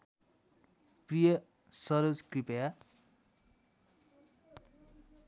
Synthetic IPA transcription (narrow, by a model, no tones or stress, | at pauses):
prijʌ | sʌɾod͡zkripʌja